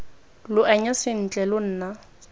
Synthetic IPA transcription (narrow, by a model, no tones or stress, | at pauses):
lʊʔaɲasɪn̩t͡ɬʼɛlʊn̩ːna